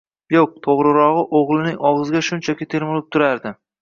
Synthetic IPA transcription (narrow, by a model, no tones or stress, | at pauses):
joq̚t̪ʰoʁɾɪɾɒʁɨʔoʁlˠɪnɪŋɒʁɨzɡʲaʃʊnt͡ʃʰakʲɪt̪ʰeɾmʊlɪp̚t̪ʰʊɾaɾd̪ɪ